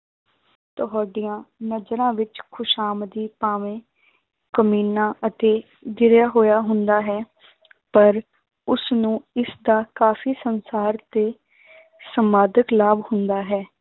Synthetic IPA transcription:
t̪əɦaːɖijãːnəd͡ʒɾãːʋɪt͡ʃkʰʊʃaːmd̪iːpaːʋẽː | kəmiːnãːʔət̪eː | d̪ɪɾjaːɦoːjaːɦʊnd̪aːɦɛː | pəɾ | ʊsnũːɪsd̪aːkaːfʰiːsənsaːɾt̪eː | səmaːd̪əklaːbhʊnd̪aːɦɛː

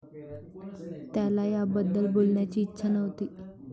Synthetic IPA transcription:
t̪jalajabəd̪ːəlbolɳjat͡ɕiːtːɕʰanəʋt̪iː

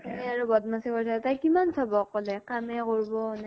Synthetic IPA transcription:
aɹubɔdmasikɔɹsʰatajkimansʰabɔkːɔlɛkamɛkoɹbɔna

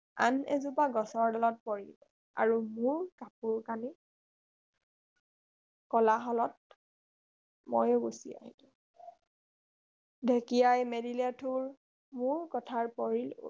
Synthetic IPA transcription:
a̰nɛ̰zupaɡɔsɔɹdalɔt̚pɔɹill | a̰ɹumuɹkapuɹkani | kɔlaɦɔlɔt̚ | mo̰jɡosia̰ɦitũ | dʱekijajmedilatʰuɹ | muɹkɔtʰaɹpɔɹil̰

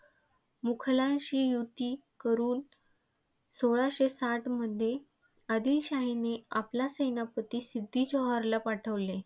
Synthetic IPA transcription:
mukʰlãnɕiːjut̪iː | kəɾuːn | soɭaɕesaʈʰməd̪ʱːje | əd̪iːlɕaɦineaplasəjnapət̪iːsid̪ʱːiːd͡ʑɔɦaɾlapaʈʰəʋle

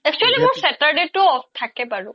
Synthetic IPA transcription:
ɛk̚t͡ʃualimoɹsɛʈaɾɖeʈoɔft̪ʰakepaɹu

